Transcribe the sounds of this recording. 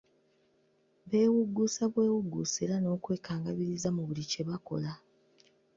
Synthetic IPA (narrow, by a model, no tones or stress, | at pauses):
βe̞ːwuɡːusaβwe̞ːwuɡːuːseɾano̞ːkwe̞ːkaːŋɡaβiɾizamuβulice̞βako̞̰la